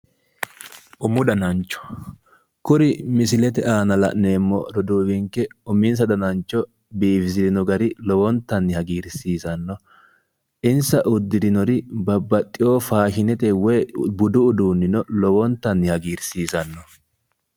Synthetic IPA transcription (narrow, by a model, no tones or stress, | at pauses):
ʔʊmʊd̪ɐnɐnt͡ʃːɔ̥ | kʊɾɪmɪsɪlɛt̪ɛaːnɐlɐ̰ʔne̞ːmːɔ̰ɾɔd̪uːwɪŋkːɛʊmɪns̬ɐd̪ɐnɐnt͡ʃːɔ | biːfɪs̬ɪd̪ɪnɔɡɐɾɪlɔwɔnt̪ːɐnːɪhɐɡiːɾsiːzɐnːɔ | ʔɪnsɐʔʊd̪ːɪd̪ɪnɔɾɪbɐbːɐt̪ʼːɪjoːfaːʃɪnɛt̪ɛwɛːbʊd̪ʊːd̪uːnːɪnɔlɔwɔnt̪ːɐnːɪhɐɡiːɾsiːzɐnːɔ